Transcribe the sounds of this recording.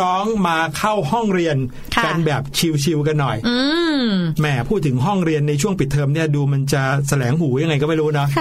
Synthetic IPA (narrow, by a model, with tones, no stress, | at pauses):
ɔː˦˥ŋmaː˧kʰa˥˩whɔ˥˩ŋɾi˧ənʰ | ka˧nbɛː˨˩p̚t͡ɕʰi˧wt͡ɕʰi˧wka˧nːɔ˨˩jɯː˧mɛ˨˩pʰuː˥˩t̪̚ʰɯ˩˦ŋɦɔ˥˩ŋɾi˧ənːa˧t͡ɕʰu˥˩əŋpi˨˩t̪ʰːɤː˧mni˥˩əduː˧ma˧nt͡ɕa˨˩sa˧lɛː˩˦ŋhuː˩˦ja˧ŋːa˧jkɔ˥˩ma˥˩ɾuː˦˥nɔ˦˥